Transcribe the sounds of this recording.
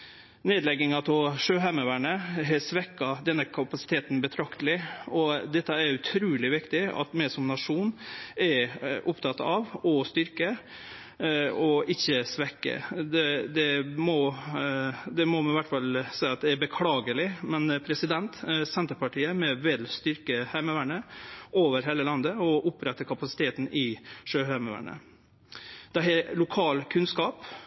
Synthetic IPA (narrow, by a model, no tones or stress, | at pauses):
neːd̪lɛɡɪŋɑt̪ʰɔʂøːɦæməʋæɳəɦɛsʋɛkːɑd̪ɛnːəkʰɑpɑsɪ̥t̪ʰeːt̪nbət̪ʰɾɑkt̪əlɪɔd̪ɛt̪ːəæɾʉt̪ʰɾuːlɪʋɪkt̪ɪɑ̰t̪mɛsɔmnɑʂuːnɛɾʔʊpt̪ʰɑt̪ɑʋɔst̪ʏɾkə | ɔɪçːəsʋɛkːə̰d̪ɛd̪ɛmɔ | d̪ɛmɔmɑnɪʋæʈːfɑlsæɪɑt̪̚d̪ɛæɾbəkʰlɑːɡəlɪmɛnpʰɾɛsɪd̪ɛnt̪sɛnt̪əɾpɑʈʰiːəmɛʋɛlst̪ʏɾkəhæɪməʋæɳəʔoːʋəɾɦeːləlɑnd̪əɔʔʊpɾɛt̪ːəkʰɑpɑsɪ̥t̪ʰeːt̪n̩ʔɪʂøːhæɪməʋæ̰ɳə̰ | d̪̥ɛɦɛlʊkʰɑːlkʰʉnskɑːp